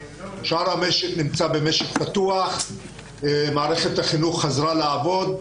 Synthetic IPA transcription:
ʃaɾhameʃetnimt͡sabe̞meʃeχpat̪uaχ | maːʁeχet̪haχinuχːazʁalaːvo̞d̪

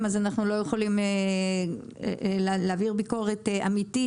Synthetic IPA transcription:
mazanaχnulo̞jeχolime | lleaviʁbiko̞ʁetea̰miti

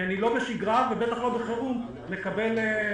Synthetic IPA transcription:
anilo̞be̞ʃiɡʁavebe̞t̪aχlo̞beχeum | le̞kabe̞l

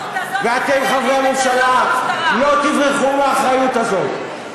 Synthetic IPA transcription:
veat̪emχavʁeamemʃalalo̞t̪ivʁeχumaːχʁajut̪azo̞t̪

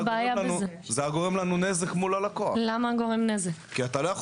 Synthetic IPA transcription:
baajabzezeaɡo̞ʁemlanunezekmulalakoalamaɡo̞ʁemnezekːiat̪alojaχ

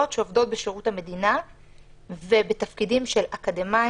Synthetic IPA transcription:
otʃeovdo̞t̪̚beʃeʁuthame̞dina | ve̞be̞t̪afkidimʃelakadema

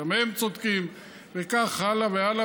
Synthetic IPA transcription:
amemt͡sod̪kim | vekaχhalaveala

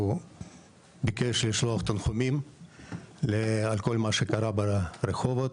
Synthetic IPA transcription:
u | bikeʃliʃloɐχt̪anχomim | lealko̞lmaʃekaɾabaɾexovot̪

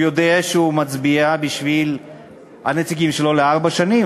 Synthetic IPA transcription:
jod̪eaʃeumɐt͡sbijabiʃvil | a̰net͡sik̬imʃeloleaʁbaʃani

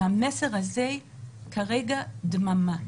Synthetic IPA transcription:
ameseʁhazekʰaʁeɡadmama

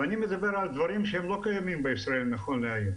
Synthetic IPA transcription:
animed̪abe̞ʁald̪vaʁimʃehemlo̞kajamimbeisʁae̞lnaχonleaju

